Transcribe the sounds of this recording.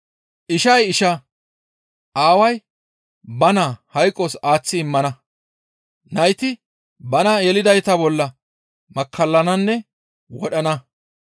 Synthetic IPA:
ʔɪʃɐjɪʃɐ | ʔaːwɐj | bɐnahɐjkʼːɔsaːt͡sːɪːɪmːɐnɐ | nɐjt̪ɪ | bɐnɐɛlɪd̪ɐjt̪ɐbɔlːɐ | mɐkʰːɐlːɐnɐnːɛ | wɔɗɐnɐ

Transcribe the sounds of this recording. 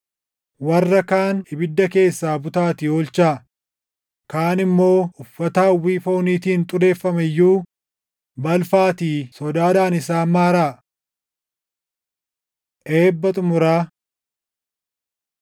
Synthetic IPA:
wɐrːɐkaːnɪbɪd̪ːɐke̞ːsːaːbʊt̪aːt̪ɪoːlt͡ʃaː | kaːnɪmːo̞ːʊfːɐt̪aːwːiːfo̞ːniːt̪iːnt̪ʼʊɾe̞ːfːɐmɛjːuː | bɐlfaːt̪iːsɔd̪aːd̪aːnɪsaːmaːɾaː | ʔe̞ːbːɐt̪ʼʊmʊɾaː

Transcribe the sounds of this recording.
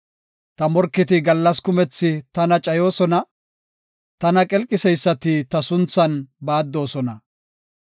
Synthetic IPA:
t̪ɐmɔɾkːɪt̪̬ɪɡɐlːɐskʊmɛt͡sːɪt̪ɐnɐt͡ʃʼɐjo̞ːsɔnɐ | t̪ɐnɐkʼɛlkʼːɪsɛjsːɐt̪ɪt̪ɐsʊnt͡sːɐnbaːd̪ːo̞ːsɔnɐ

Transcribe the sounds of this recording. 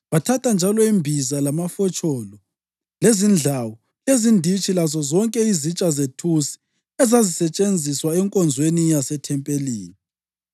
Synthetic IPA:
βatʰatand͡ʒʱalɔimbʱizalamafɔt͡ʃʰʼɔlɔ | lezind͡ɮʱawɔ | lezindʱit͡ʃʼilazɔzɔŋkʼɛizit͡ʃʼazetʰusi̥ | ɛzazisɛt͡ʃʼend͡zʱiswaɛŋkʼɔnd͡zʱwenijasɛtʰɛmpʼelḭːni

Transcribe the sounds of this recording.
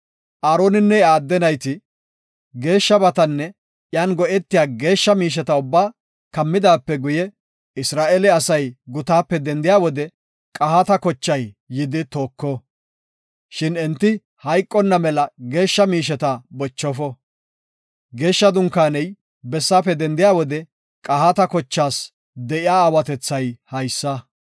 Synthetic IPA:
ʔaːɾoːnɪnːɛaːd̪ːɛnɐjt̪ɪ | ɡe̞ːʃːɐbɐt̪ɐnːɛ | ʔjaːnɡɔʔɛt̪ːɪjaːɡe̞ːʃːɐmiːʃ̬ɛt̪ɐʊbːaː | kɐmːɪd̪aːpːɛɡʊjɛ | ɪsɾaːʔɛlɪɐsɐjɡʊt̪aːpːɛd̪ɛnd̪ɪjaːwɔd̪ɛ | kʼɐɦat̪ɐkɔt͡ʃːɐjː | ɪd̪ɪt̪o̞ːkːɔ | ʃɪnɛnt̪ːɪ | hɐjkʼːɔnːɐmɛlɐɡe̞ːʃːɐmiːʃ̬ɛt̪ɐbɔt͡ʃːɔfɔ | ɡe̞ːʃːɐd̪ʊŋkːaːnɛj | bɛsːaːpːɛd̪ɛnd̪ɪjaːwɔd̪ɛ | kʼɐhat̪ɐkɔt͡ʃːaːs | d̪ɛʔɪjaːwɐt̪ɛt͡sːɐjhɐjsːɐ

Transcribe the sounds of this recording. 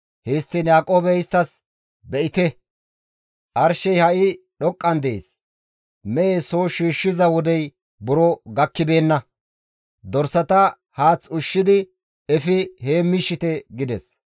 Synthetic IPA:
hest̪ːɪnjaːkʼo̞ːbɛɪst̪ːɐs | bɛʔɪt̪ɛ | ʔɐɾʃɛjhɐʔɪ | ɗɔkʼːɐnd̪ḛːs | mɛʔesoːʃiːʃːɪzɐwɔd̪ɛj | bʊɾɔɡɐkːɪbe̞ːnːɐ | d̪ɔɾsɐt̪ɐ | haːt͡sːʊʃːɪd̪ɪ | ɛfɪheːmːɪʃːɪt̪ɛɡɪd̪ɛs

